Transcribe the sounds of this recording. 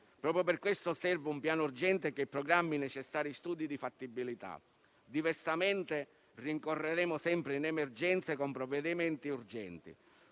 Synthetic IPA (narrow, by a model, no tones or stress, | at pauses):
pɾɔːpɾjoperkːwest̪ʊsɛrvaumpjaːnurd͡ʒɛnt̪ekepɾɔɡɾamːinɛt͡ʃɛsːaːɾist̪uːd̪id̪ifat̪ːibːilit̪a̰ | d̪ivɛrsamɛnt̪e | riŋkorːeɾɛːmʊsɛmpɾɪinɛmerd͡ʒɛnt̪sekompɾɔvːɛd̪imɛnt̪iurd͡ʒɛ̰nt̪ḭ